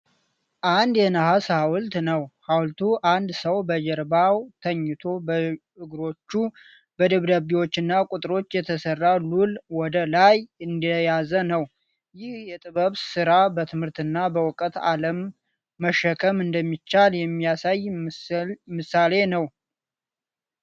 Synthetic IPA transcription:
ʔand̪jɛnəɦashawlt̪nəwhawlt̪ʰuʔand̪səwbəd͡ʒɛɾbawt̪ʰəɲːɪt̪ʰo̞bə | ɨɡɾo̞t͡ʃːu | bəd̪əβd̪aβiwo̞t͡ʃːɨnːakʼʊt̪ʼɾo̞t͡ʃːjɛt̪ʰəsərːalulwɔd̪əlajɨnd̪əjazənəw | jɪhjɛt̪ʼɨβəβsɨɾabət̪ʰɨmhɨɾt̪ɨnːabəwɔkʼət̪a̰ləmː | əʃːəkʰəmɨnd̪əmːit͡ʃːaljɛmːijasaj | mɨsale̞nəw

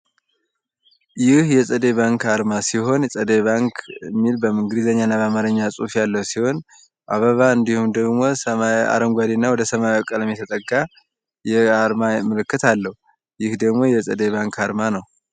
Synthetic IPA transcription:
jɪhjɛsʼəd̪eβaŋkaɾmasiɦo̞nsʼəd̪eβaŋkʰmːilbəmɨŋɡd̪izəɲːanːaβamaɾɨɲːasʼufjalːəhusiho̞n | ʔaβəβaɨnd̪ihumd̪əɡmo̞səmaa̰ɾəŋɡʷad̪inːawɔd̪əsəmaɔkʼələmjɛt̪ʰət̪ʼəɡa | jɛaɾmamɨlɨkːɨt̪alːəhu | jɪhd̪əɡmo̞jɛsʼəd̪eβaŋkʰaɾmanəw

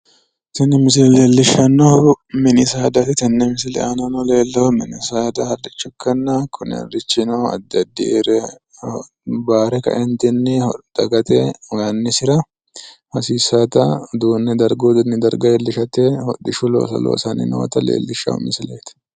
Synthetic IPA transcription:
t̪ɛnːɛmɪs̬ɪlleːlːɪʃːɐnːɔhmɪnɪsaːd̪ɐt̪ɪt̪ɐnːɛmɪs̬ɪlɛ̰ʔɐnɐnɔle̞ːlːɐhʊmɪnɪsaːd̪ɐhɐrɪt͡ʃːʊkːɐnːɐkʰʊnɪ̰ɐ̰rɪt͡ʃːɪnoɐ̰d̪ːɐd̪ːɪɾɛ | baːɾɛkɐ̰ʔɛnt̪ɪnːɪɔd̪̥ɐɡɐt̪ʼewɐnːɪsɪɾɐ | hɐsiːsaːt̪ɐd̪uːnːɛd̪ɐɾɡoːd̪ʊnːɪd̪ɐɾɡɐɛlːɪʃɐt̪ehɔ̰ᶑɪʃʊlo̰ːsɐ̰lo̰ːsɐnːɪ̰nɔ̰wɐ̰t̪ɐlḛːlːɪʃːɐ̰ʊ̰mɪsɪleːt̪

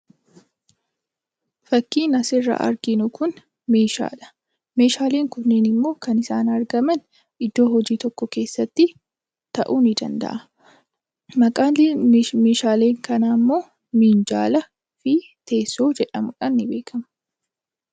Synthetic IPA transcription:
fɐkːiːnɐsɪrːɐ̰ʔɐ̰ɾɡɪnʊkʊn | me̞ːʃa̰ːᶑɐ̥ | me̞ːʃaːle̞ːŋkʊnːeːnɪmːo̞ːkɐnɪsaːnɐɾɡɐmɐn | ʔɪd̪ːo̞ːɦɔd͡ʒiːt̪ɔkːɔke̞ːsːɐt̪ːɪ | t̪ɐʔuːnɪd̪ɐ̰nd̪ɐ̰ʔɐ | mɐkʼaːlmeːʃaːle̞ːŋkɐnaːmːo̞ː | miːnd͡ʒa̰ːlɐ | fɪ | t̪ʰeːsːoːd͡ʒɛᶑɐmʊᶑaːnːɪbe̞ːkʰɐmɐ

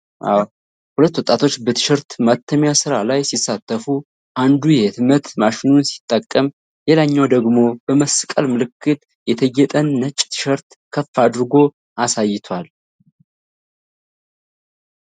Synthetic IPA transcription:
aw | hulət̪ːwɔt̪ʼːat̪ʰo̞t͡ʃːbət̪ʰɨ̥ʃəɾt̪mat̪ʰːəmjasɨɾalajsisːat̪ːəfu | ʔand̪ujɛt̪mət̪maʃɪnunsi̥t̪ʼːəkʼːəm | jelaɲːawd̪əɡmo̞bəməskʼəlmɨlɨkːɨt̪ | jɛt̪ʰəɡɛt̪ʼənːət͡ʃʼːt̪ʰɨ̥ʃəɾt̪ | kʰəfːad̪ɨɾɨɡo̞ | asajːɪt̪ʰwal

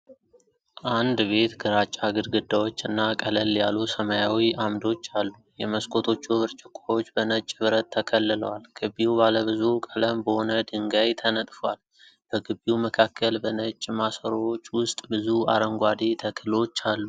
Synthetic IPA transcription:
ʔand̪βe̞t̪ɡɨɾat͡ʃʼaɡɨɾɡɨd̪ːawo̞t͡ʃːɨnːakʼələljalːusəmajawiʔamd̪o̞t͡ʃːalːujɛməskʼo̞t̪ʰo̞t͡ʃːuβɨɾt͡ʃʼɨkʷʼːawo̞t͡ʃːbənət͡ʃʼːβɨɾət̪ʰːəkʰəlːɨləwalɡ̥ɨβiubaləβɨzukʼələmbəho̞nəd̪ɨŋɡajt̪ʰənət̪ʼfowal | b̥əɡɨbiuməkʰakʰːəlbənət͡ʃʼːmasəɾoot͡ʃːwʊst̪ʼbɨzua̰ɾəŋɡʷad̪et̪ʰəkʰɨlo̞t͡ʃːalːu

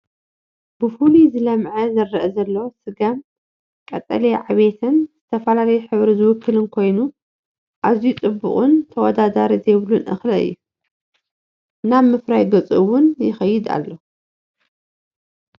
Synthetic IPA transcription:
b̥ɨfulizɨlɐmʕɐzɐrːɐʔɐzɐlːosɨɡam | kʼɐt̪ʼɐ̰leʕaβe̞t̪ʰɨnzɨt̪ʰɐfɐlalɐjuħɨβɾizɨwʊkʰːɨlɨnkʰo̞jnu | ʔaβzijut͡sʼɨbːʊ̰χʼʊnt̪ʰɐwɔd̪ad̪aɾizejβlunʔɨ̰xlɐɨ̰jːu | naβmɨfɾajɡɐt͡sʼɨwʊnjɪxɐjːɪd̪a̰lːo̞

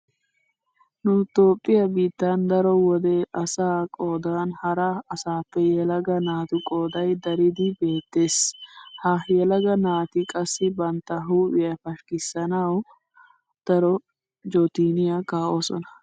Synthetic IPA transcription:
nʊt̪oːpʼːɪjɐbiːt̪ːand̪ɐɾɔwɔd̪ɛɐsaːkʼoːd̪aːnhɐɾɐɐsaːpːɛjɛlɐɡɐnaːt̪ʊkʼo̞ːd̪ɐjd̪ɐɾɪd̪ɪbe̞ːt̪ːeːshɐjɛlɐɡɐnaːt̪ɪkʼɐsːɪbɐnt̪ːɐɦuːʔɪjɐfɐʃkɪsːɐnɐw | d̪̥ɐɾɔ | d͡ʒot̪iːnɪjɐkaːʔoːsɔ̰nɐ̥

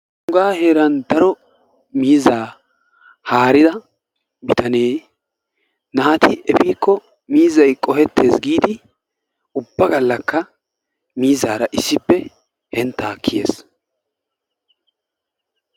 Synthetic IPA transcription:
ʊŋɡaːhe̞ːɾɐnd̪ɐɾɔ | miːzːaː | haːɾɪd̪ɐ | bɪt̪ɐne̞ː | naːt̪ɪʔɛfiːkːɔ | miːzːɐjkʼɔhɛt̪ːe̞ːsɡiːd̪ɪ | ʊbːɐɡɐlːɐkːɐ | miːzːaːɾɐʔɪsːɪpːɛ | hɛnt̪ːaːkʰːɪjḛːs

